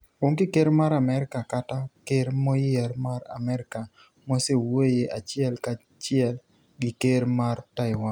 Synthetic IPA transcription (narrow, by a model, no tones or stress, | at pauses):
oŋɡɪkeɾmaɾamɛɾɪkakatakeɾmɔjɪɛɾmaɾa̰mɛɾɪka | mosewojeʔat͡ʃɪɛlka | t͡ʃɪɛl | ɡɪkeɾmartaɪwan